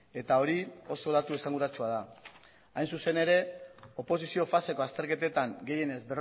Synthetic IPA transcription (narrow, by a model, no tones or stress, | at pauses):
e̞t̪ao̞ɾio̞so̞ðat̪ue̞saŋɡuɾat͡ʃuað̞a | ajnsuse̞ne̞ɾe̞o̞po̞s̬isio̞fase̞ko̞ast̪e̞ɾke̞t̪e̞t̪aŋɡe̞je̞ne̞zbe̞r